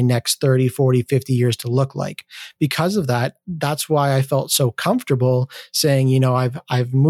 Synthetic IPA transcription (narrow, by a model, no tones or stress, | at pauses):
nɛksθɜ˞ɾifɔɹɾifɪftijɪɹz̥tʰəlʊkla̰ɪkb̥ɨkʰʌzʌvðæt̪̚ðætswaɪaɪfɛlˠtsoʊkʰʌ̃ɱftə˞bl̩ˠseɪɪ̃ŋjɨñoʊaɪvaɪvm